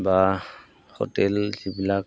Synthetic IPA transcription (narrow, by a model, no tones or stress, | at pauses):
ba | ho̰tɛlzibilak̚